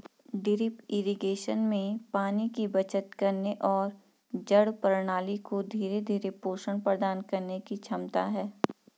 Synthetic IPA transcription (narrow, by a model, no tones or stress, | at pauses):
ɖɪɾɪpɪɾiɡeːʃənmẽpaːnikibɐt͡ʃət̪kɐɾneʔɔːɾ | d͡ʒɐɽpɾɽ̃aːlikod̪ʱiːɾed̪ʱiːɾepoːʃəɳpɾəd̪aːnkɐɾnekit͡ʃʰɐmt̪aɦɛː